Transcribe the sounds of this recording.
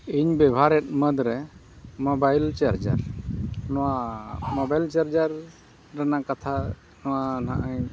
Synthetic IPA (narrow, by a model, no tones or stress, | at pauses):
iɲbɛbʱaɾɛt̪̚məd̪ɾɛ | mɔbajlt͡ʃaɾd͡ʒə̰ɾnɔwamɔbajlt͡ʃaɾd͡ʒəɾ | ɾanakat̪ʰa | nɔwanaʔaj